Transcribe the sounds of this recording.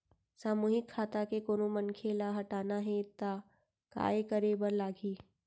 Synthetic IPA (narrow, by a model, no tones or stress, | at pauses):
saːmuːɦɪkʰːaːt̪akekoːnomɐnkʰeːlaɦɐʈaːnaɦɛɪt̪ːa | ka̰ːekəɾebəɾlaːɡiː